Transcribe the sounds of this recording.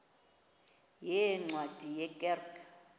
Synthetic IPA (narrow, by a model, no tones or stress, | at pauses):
jɛŋ͡ǀwad̥ʱijɛkʼɛrk